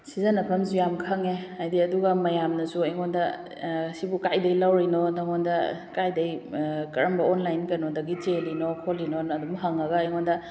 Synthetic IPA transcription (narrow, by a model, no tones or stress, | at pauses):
sizanɐpʰɐmzujamkʰɐŋeajdiɐduɡɐmɐjamnɐsuɐjŋondɐ | sibukajdɐilawɾinodaŋondɐkajdɐjkɐɾɐmbɐonlajnkɐnodɐɡit͡ʃelinokʰolinonɐdumɐɦaŋɐɡɐːjŋondɐ